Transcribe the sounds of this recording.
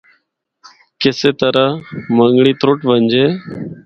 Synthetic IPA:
keseːt̪əɾəməŋɡɳiːt̪ʰɾoːʈʋənd͡ʒeː

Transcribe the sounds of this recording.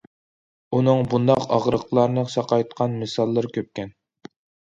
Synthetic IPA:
unɨŋbund̪ɑqɑ̰ʁɾəqʰlˠɑɾnɨqsɑqɑjt̪qʰɑnmɨsɑlˠːɨɾkʲøp̚kʲɛn

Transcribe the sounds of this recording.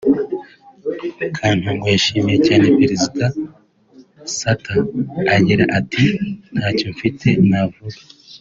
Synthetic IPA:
kʰaːn̥huŋɡojaʃiːmije̞caːne̞peɾezida | sataːɟiɾa̰ʔatʰin̥haːco̞ɱfitʰe̞navuɡa

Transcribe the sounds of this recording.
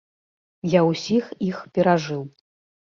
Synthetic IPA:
jawsʲixixpʲɛɾaʐɨw

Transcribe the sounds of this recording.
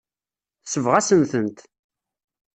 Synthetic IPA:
səvʁæsənθənt̪

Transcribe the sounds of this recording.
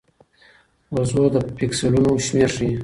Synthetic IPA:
wazod̪əpikselunoʃmeʂ

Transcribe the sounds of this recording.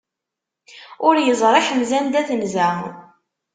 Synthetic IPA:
ʊɾjəzˤɾˤɑçənzænd̪æθənzæ

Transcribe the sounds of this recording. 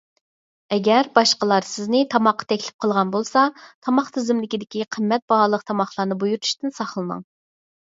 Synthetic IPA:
ɛɡʲɛɾbɑʃqəlˠɑɾsɪznɪt̪ʰɑmɑqːɑ̥t̪ʰɛkʲlɪ̥p̚qʰəlˠʁɑnbolˠsɑt̪ʰɑmɑχt̪ʰɪzɪmlɪkʲid̪ɪkʲiqʰəmːɛt̪̚b̥ɑɦɑːlˠəqt̪ʰɑmɑχlˠɑɾnɨbujuɾt̪ʰu̥ʃt̪ɪnsɑχlˠɨnɨ̰ŋ

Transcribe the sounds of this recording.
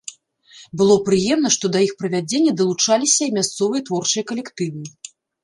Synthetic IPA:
bɨlˠɔpɾɨjɛmnɐʂt̪ɔd̪ɐixpɾɐvʲad͡zʲenʲːɛd̪ɐlˠut͡ʂalʲisʲɐimʲast̪sɔvɨjɐt̪vɔrt͡ʂɨjɐkɐlʲɛkt̪ɨvɨ

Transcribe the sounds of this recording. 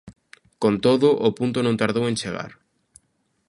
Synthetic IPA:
kont̪oðʊʔʊpunt̪ʊnõnt̪aɾðowẽnt͡ʃeɣa̰ɾ

